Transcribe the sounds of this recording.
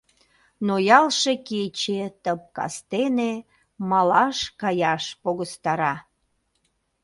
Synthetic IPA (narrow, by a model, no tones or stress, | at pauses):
nojɑlʃeket͡ɕet̪əp̚kɑ̰st̪ene | mɑlɑʃkɑjɑʃpoɣəst̪ɑɾɑ